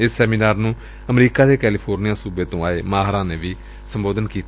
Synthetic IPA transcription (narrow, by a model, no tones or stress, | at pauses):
ɪsːɛːmiːnaːɾnũː | əmɾiːkaːd̪eːkɛːliːpʰoːɾnijãːsuːbeːt̪õːaːeːmaːɦɾãːneːʋiː | səmboːd̪ənkiːt̪